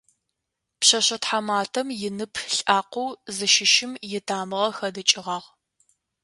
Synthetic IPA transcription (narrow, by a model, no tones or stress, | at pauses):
pɕɐɕɐtħamaːtʰɐmjɪnɨpʰɬʼaːqʷowzɨʃɪʃɪmjɪtʰaːmɨʁɐxɐdɨt͡ʃʼɪʁɑːʁ